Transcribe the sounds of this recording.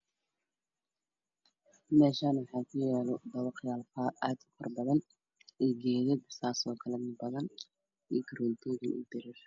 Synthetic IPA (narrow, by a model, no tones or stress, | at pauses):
mɛːʃaːnwħaːkʰʊjɛːlɔd̪ɐwɑqjaːlfaːʔaːd̪ʊkʰɐrbɐðɐn | ɛːɡɛːðɛd̪saːsɔːkʰɐlɛmɪbɐðɐn | ḭːɡɐɾɔːnt̪ʰɔːɣɪnʔʊ̰d̪ɪɾɪr